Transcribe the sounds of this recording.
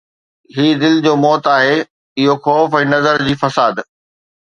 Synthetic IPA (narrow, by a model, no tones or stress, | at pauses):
ɦiːd̪ɪld͡ʑoːmɔːt̪aːɦe | ɪɦoxɔːfɛ̃ːnɐzəɾd͡ʑiːfɐsaːd̪